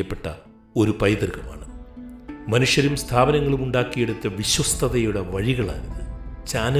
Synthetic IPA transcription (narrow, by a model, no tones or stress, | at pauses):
ɐpːe̞ʈːɐ | o̞ɾupɐjd̪ɐrkɐma̰ːɳɨ | mɐnuʂjɐɾumst̪ʰaːbɐnɐŋːɐɭumuɳɖaːkːije̞ɽut̪ːɐʋiɕwɐst̪ʰɐðɐjuɽɐʋɐɻiɣɐɭa̰ːniðɨt͡ɕaːnɐ